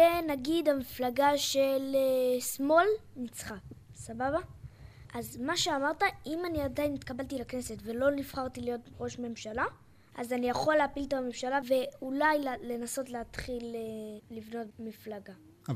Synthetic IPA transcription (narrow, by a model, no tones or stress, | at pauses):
enaɡidamiflaɡaʃelsmolnit͡sχasababa | ʔazmaʃe̞amaʁtaimaniadainit̪kabaltilakne̞setve̞lo̞nifχaʁtilijo̞tʁo̞ʃme̞mʃala | ʔazanijaχo̞leapilt̪amemʃalave̞ulajlle̞naso̞tleatχileːivno̞tmiflaɡa